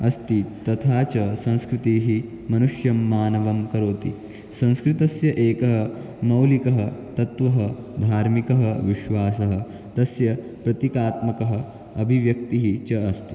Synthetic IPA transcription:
ɐst̪it̪ɐt̪ʰaːt͡ʃɐsɐ̃ñskɾɪt̪iːɦi | mɐnuʂjɐmːaːnɐʋɐmkɐɾoːt̪i | sɐ̃ñskɾɪt̪ɐsjɐʔeːkɐɦɐ | mɐwlikɐɦɐt̪ɐt̪ʋɐɦɐ | d̪ʱaːɾmikɐɦɐʋiʃʋaːsɐɦɐ̆ | t̪ɐsjɐ | pɾɐt̪ikaːt̪mɐkɐɦɐ̆ | ɐbʱiʋjɐk̚t̪iɦit͡ʃɐɐst̪i̥

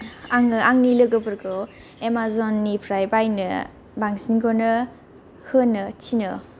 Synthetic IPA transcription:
aŋɯaŋnilɯɡɯpʰɯɾkʰow | emazɔnːipʰɾajbajnɯ̰ | baŋsinɡonɯ | hɯnːɯtʰinɯ

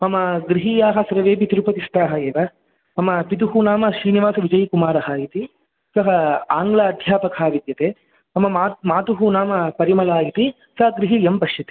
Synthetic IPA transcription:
mɐmɐɡɾiɦijaːɦɐsɐɾɐʋeːpit̪iɾupɐt̪ist̪aːɦɐeːʋɐ | mɐmɐpit̪uɦunaːmɐʃɾiːniʋaːsɐʋid͡ʒɐjkumaːɾɐɦaːjit̪i | sɐɦɐaːŋɡlaɐd̪ʱjaːpɐkʰaːʋid̪jɐt̪eː | mɐmɐamaːt̪uɦunaːmɐpɐɾimɐlaːjit̪i | sɐɦɐɡɾiɦijempɐʃjɐt̪i̥

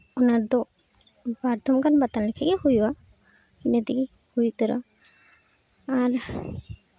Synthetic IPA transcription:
ɔnaɾd̪ɔ | baɾd̪ʱɔmkanbat̪anlɛkʰɛɡɛhujwa | inɛd̪ik | hujkəɾa̰ | aɾ

